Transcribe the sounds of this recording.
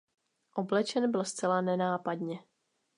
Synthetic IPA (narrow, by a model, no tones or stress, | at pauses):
ʔoblɛt͡ʃɛnbɪlst͡sɛlanɛnaːpadɲɛ